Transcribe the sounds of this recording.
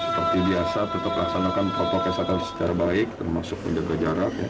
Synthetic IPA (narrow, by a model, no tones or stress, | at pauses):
sə̥pərt̪ibiasat̪ət̪aplasanakanpakakasat̪ansə̥t͡ʃaɾabaɪk̚t̪ərmasʊk̚mə̰ɲd͡ʒaɡad͡ʒaɾakja̰